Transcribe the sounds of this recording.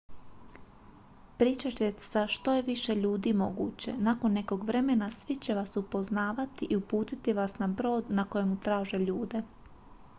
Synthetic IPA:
pɾiːt͡ʃat͡ɕet̪saʃt̪o̞je̞ʋiʃe̞ʎuːd̪iːmo̞ɡṵːt͡ɕe̞̰nako̞nːe̞ko̞ɡʋɾe̞me̞nasʋit͡ɕe̞ʋasupo̞znaːʋat̪iʔiupuːt̪it̪iʋasnabɾo̞ːd̪nako̞jemut̪ɾaːʒe̞ʎuːd̪e̞

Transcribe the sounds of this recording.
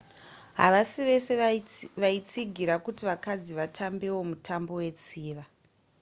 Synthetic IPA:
ɦaʋasiʋe̞seʋait͡siɡʱiɾakutiʋakad͡ziʋatʰambe̞wo̞mutʰambo̞we̞t͡siːʋa

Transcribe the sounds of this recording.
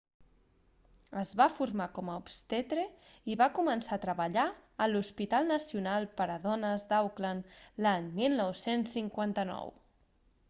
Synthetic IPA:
əzβafuɾmakɔməupst̪et̪ɾe | iβakumənsat̪ɾəβəʎaəluspit̪alˠnəsiunalˠpəɾəðɔnəzd̪awklanlaɲmilˠnɔwsensːiŋkwant̪ənɔ̰w

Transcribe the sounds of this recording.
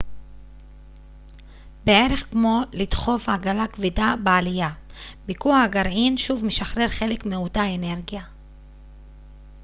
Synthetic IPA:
bee̞ʁe̞χkmo̞lid̥χo̞fhaɡalakvidabealija | bikuahaɡaʁinʃuvmeʃaχʁe̞ʁχe̞le̞kmeutaene̞ʁɡija

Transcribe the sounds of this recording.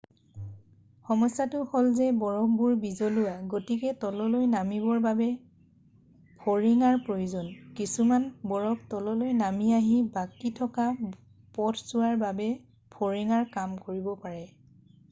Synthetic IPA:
xɔmɔjsatʊxɔlzɛbɔɹɔk̚ʰbuɹbizɔlʊwaɡotikɛtɔlɔlojnamibɔɹbabɛ | pʰoɹiŋaɹpɹojuzɔnkisumanbɔɹɔk̚tɔlɔlojnamiaɦibakitʰɔka | pɔtʰz̥ʊwaɹbabɛ | pʰoɹiŋaɹkamkoɹibɔpaɹɛ

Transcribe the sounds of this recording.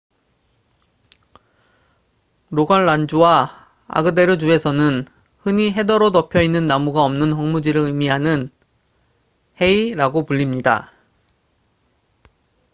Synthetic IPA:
ɾoɡanɭand͡ʑuwa | a̰ɡɯde̞ɾɯd͡ʑue̞sʰʌnɯn | hɯɲiɦe̞dʌɾotʌpʰjʌinːɯnːamuɡaʌmnɯnɦʌŋmud͡ʑiɾɯɯmiɦanɯn | he̞iɾaɡopuʎːimɲida̰

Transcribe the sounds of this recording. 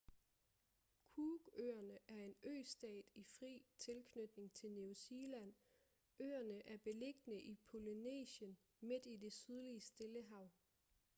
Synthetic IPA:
kʰuːɡ̥ø̰ːɐnəʔæɐe̝nø̰ːsd̥ɛ̰ːd̥ifʁḭːt͡sʰe̝lkʰnød̥ne̝ŋt͡sʰe̝lnusiːlæn̰ | ø̰ːɐnəʔæɐb̥e̝le̝ɡ̥nəʔipʰo̝linḛːɕən | me̝d̥ide̝syð̞ˠliəsd̥eləɦɑ̈ʊ̰

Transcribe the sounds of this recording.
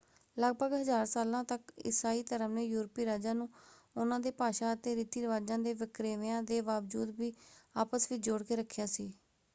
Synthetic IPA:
ləɡbəɡɦəzaːɾsaːlãːt̪əkɪ̰saːiːt̪əɾəmneːjuːɾpiːɾaːd͡ʒaːnũː | ʊnãːd̪eːpaːʃaːət̪eːɾiːt̪iːɾəʋaːd͡ʒãːd̪eːʋɪkɾeːʋjãːd̪eːʋaːʋd͡ʒuːd̪biːaːpəsʋiːd͡ʒoɽkeːɾəkʰːjaːsiː

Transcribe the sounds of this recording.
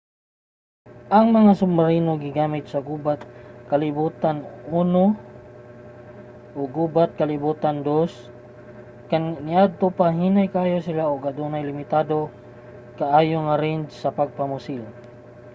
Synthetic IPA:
ʔɐŋmɐŋasʊmbaɾinoɡɪɡaːmɪt̪̚sɐɡubat̪̚kɐlɪbuːt̪anuːno | ʔoɡuːbat̪̚kɐlɪbuːt̪and̪os | kanɪʔad̪̚t̪opaɦiːnajkaʔaːjosɪlaoɡad̪unajlɪmɪt̪aːd̪o | kaʔaːjoŋaɾɛnd͡ʒsɐpaɡ̚pamʊsɪl

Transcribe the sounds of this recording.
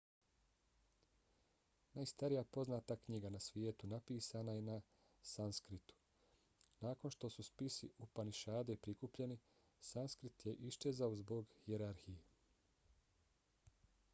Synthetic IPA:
naːjst̪aɾijapo̞znaːt̪akɲiɡanasʋjeːt̪unapiːsaːnajena | sanskɾit̪u̥ | naːkonʃt̪o̞suspisiʔupaniʃaːd̪epɾikupʎe̞ni | sanskɾit̪jeʔiʃt͡ʃezaozbo̞ɡhjeɾaɾxije

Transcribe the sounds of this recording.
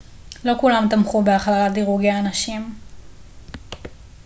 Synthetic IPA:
lo̞kulamt̪amχubeaχlalatdiʁuɡeaːnaʃim

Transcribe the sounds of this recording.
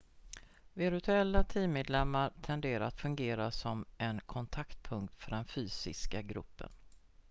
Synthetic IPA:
vɪɾt̪ʰɵɛlːat̪ʰiːmeːd̪lɛmːaɾt̪ʰɛnd̪eːɾaat̪fɵŋɡeːɾasɔmʔɛnkʰɔnt̪ʰakt̪̚pʰɵŋk̚t̪fœɖɛnfyːsɪ̰skaɡɾɵ̰pːə̰n

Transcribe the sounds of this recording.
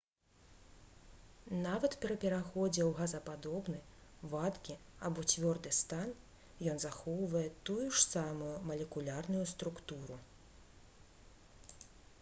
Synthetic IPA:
navɐt̪pʲɛɾɐpʲɛɾaxɔd͡zʲɛwɣazɐpad̪ɔbnɨvat̪kʲiabɔt͡sʲvʲɔrd̪ɨst̪an | jɔnzaxɔwvɐjɛt̪ujuʂsamujumɐlʲɛkulʲarnujust̪ɾukt̪uɾu

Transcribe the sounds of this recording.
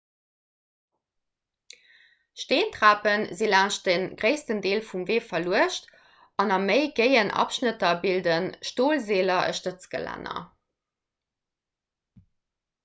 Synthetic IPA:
ʃteːntʁaːpənzilæːʃ̚dənɡʁeɪstəndeːlfumveːfɐluəʃt | ɑnɑməɪɡəɪənʔɑ̰pʃnətɐbildənʃtoːlzeːlɐʔə̰ʃtət͡sɡ̥ə̰læ̰nɐ̰

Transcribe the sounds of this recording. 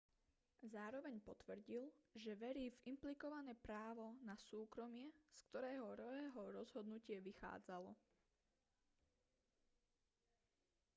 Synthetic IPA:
zaːɾɔʋɛɲpɔt̪ʋr̩ɟilʒɛʋɛɾiːvimplikɔʋanɛːpɾaːʋɔnasuːkɾɔmɪɛskt̪ɔɾɛːɦɔɾɔʋɛːɦɔɾɔzɦɔd̪nucɪɛʋixa̰ːd͡zalɔ̰

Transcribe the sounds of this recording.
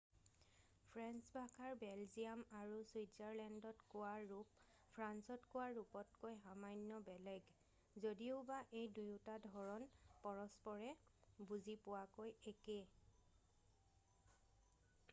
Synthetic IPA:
pʰɹansbʱakʰaɹbɛlziamaɹuswizaɹlɛndɔtkʊaːup | pʰɹansɔtkʊwaɹːupɔtkojɦamajnːɔbɛlɛɡ | zodioʊbaʔejdujutadʱɔɹɔnpɔɹɔspɔɹɛbuzipʊwakojeke

